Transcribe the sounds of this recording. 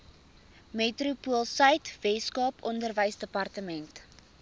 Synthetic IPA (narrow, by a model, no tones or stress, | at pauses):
metrupuəlˠsəjtvɛskɑːpɔndərvəjsdəpɐrtəmɛnt